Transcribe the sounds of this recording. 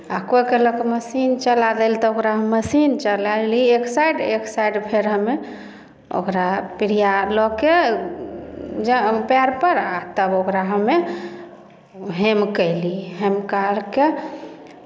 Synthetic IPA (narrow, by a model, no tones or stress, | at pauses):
akojkeləkeməsint͡ʃəlad̪elt̪ɔokɾaɦmːəsint͡ʃəlalieksajɖeksajɖpʰeɾɦəmːe | o̰kɾapiɾijalɔke | d͡ʒpɛɾpəɾat̪əbokɾaɦəmːe | ɦemkəɪliɦemkalke